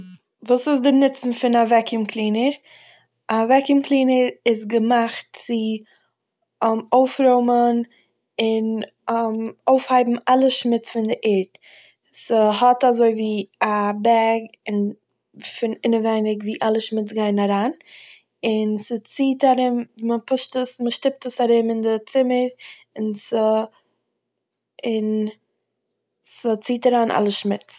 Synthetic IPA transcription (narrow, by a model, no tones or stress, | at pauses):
vuːsɪs̬dɪnɪt͡sn̩fɪnavɛkɪmkʰlˠiːnəɾ | avɛkɪmklˠiːnəɾɪsɡəmaχtt͡sɪ | oʊfɾoʊmən | ɪn | moʊfhaɪbm̩alˠəʃmɪt͡sfɪndɪʔɪɾt | səɦɔtazoɪviːabɛɾɡɪn | fɪnɪnəvɛɪnɪkviːʔalˠəʃmɪt͡sɡaɪnaɾaːn | ɪnsət͡siːtaɾɪmməpʊʃtəsməʃtɪp̚təsaɾɪmɪndɪt͡sɪməɾ | ɪnsə | ɪn | sət͡siːtaɾaːnʔa̰lˠəʃmɪt͡s